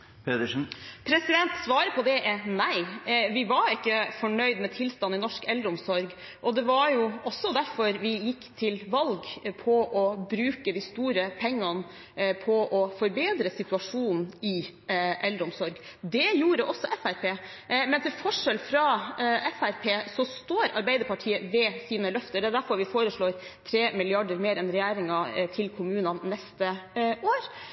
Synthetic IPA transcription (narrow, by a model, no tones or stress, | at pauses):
pɛd̪əʂnpʰɾɛsɪd̪ɛnt̪sʋɑːɾəpʰɔd̪ɛnæɪʋɪʋɑɾɪkːəfɔɳœʏd̪mɛt̪ʰɪlst̪ɑnːɪnɔʂkɛlɾʊmsɔɾɡ | ʔɔd̪ɛʋɑɾjʊɔsːɔd̪æɾfɔɾʋɪjɪkːt̪ʰɪlʋɑlɡpʰɔʔɔbɾʉːkəd̪ɪst̪uːɾəpʰɛŋːən | pʰɔʔɔfɔɾbeːd̪ɾəsɪt̪ʉɑʂuːnn̩ɪ | ʔɛld̪ɾʊmsɔɾɡ | d̪ɛjuːɾəʔɔsːɔʔɛfæɾpʰeː | mɛnt̪ʰɪlfɔʂɛlfɾɑɛfæɾpʰeːsɔst̪oːɾɑɾbæɪd̪əɾpɑʈʰiːəʋɛsiːnəlœft̪əɾd̪ɛæd̪æɾfɔɾʋɪfoːɾəʂɭoːɾ | t̪ʰɾeːmɪlɪɑɖəɾmeːɾɛnɾɛjæːɾɪŋɑt̪ʰɪlkʰʊmʉːnɑnːɛst̪əʔoːɾ